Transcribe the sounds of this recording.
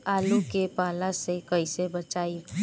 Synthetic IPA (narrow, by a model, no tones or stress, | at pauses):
aːlukepaːlasekəisebət͡ʃaːi